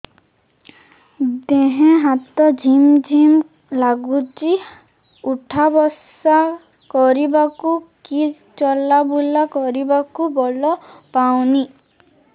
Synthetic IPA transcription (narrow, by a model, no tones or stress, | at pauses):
d̪eɦẽɦat̪ɔd͡ʒʱimd͡ʒʱim | laɡut͡ʃi | uʈʰabɔs | a | kɔɾibakuki | t͡ʃɔlabulakɔɾibakubɔlɔpawni